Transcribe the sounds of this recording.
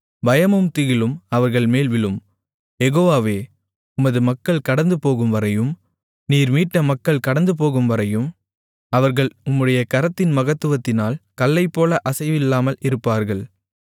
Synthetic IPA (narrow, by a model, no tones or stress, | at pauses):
bɐjɐmɯmt̪ɪɣɪlɯmɐʋɐɾɣɐɭmeːlʋɪɭɯm | jɛɣoːʋaːʋeː | ʊmɐðɯmɐkːɐɭkɐɽɐnd̪ɯpoːɣɯmʋɐɾɐjɯm | niːɾmiːʈːɐmɐkːɐɭkɐɽɐnd̪ɯp̬oːɣɯmʋɐɾɐjɯm | ɐʋɐɾɣɐɭʊmːɯɽɐjɐkɐɾɐt̪ːɪnmɐɣɐt̪ːɯʋɐt̪ːɪnaːlkɐlːɐɪpːoːlɐʔɐsɐɪʋɪlːaːmɐlɪɾɯpːaːɾɣɐɭ